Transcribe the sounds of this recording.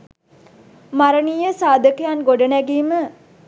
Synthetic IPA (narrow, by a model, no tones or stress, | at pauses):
maɾəniːjəsaːd̪ʱəkəjanɡoɖənæɡiːmə